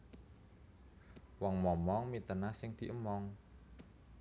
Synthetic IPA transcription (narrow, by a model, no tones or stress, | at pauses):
wɔŋmɔmɔŋmit̪ənasɪŋd̪̥i̤ʔəmɔŋ